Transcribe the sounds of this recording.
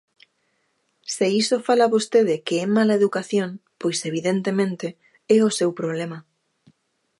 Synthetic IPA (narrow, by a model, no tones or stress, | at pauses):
seisofalaβost̪eðɪkeɛmalaeðukaθjõnpojseβ̞iðent̪emẽnt̪e | ɛosewpɾoβ̞lemɐ